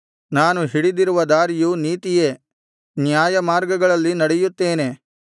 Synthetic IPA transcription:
naːnuɦiɽid̪iɾuʋɐd̪aːɾijuniːt̪ije̞ː | njaːjɐmaːɾɡɐɡɐɭɐlːinɐɽejut̪ːe̞ːne̞

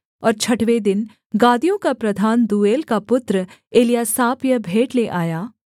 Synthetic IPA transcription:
ɔːɾt͡ʃʰɐʈʋed̪ɪn | ɡaːd̪ijõkapɾɐd̪ʱaːnd̪uːeːlkapʊt̪ɾəeːlijasaːpjəbʱeːʈleʔaːjaː

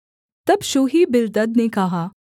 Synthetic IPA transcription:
t̪ɐbʃoːɦibɪɾd̪ɐd̪nekɐɦaː

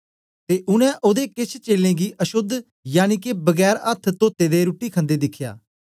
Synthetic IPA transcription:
t̪eːʔʊnɛ̃ːʔoːd̪eːkɪt͡ʃʰt͡ʃeːlẽːɡiːʔəʃʊd̪ʱ | jaːniːkebəɡɛːɾət̪ʰt̪oːt̪ːeːd̪eːɾuːʈːiːkʰə̃nd̪eːd̪ɪkʰːja̰ː

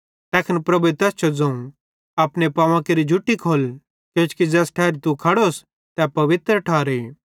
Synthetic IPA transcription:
t̪ɛːkʰənpɾɐbuet̪ɛːst͡ʃʰod͡zɐ̃ũ | ɐːpnepaːʋãkeɾid͡ʒʱuʈːikʰoːl | kjõːt͡ʃkid͡zɛːsʈʰɛːɾt̪ukʰɐɽos | t̪ɛpɐʋɪt̪ɾəʈʰaːɾe

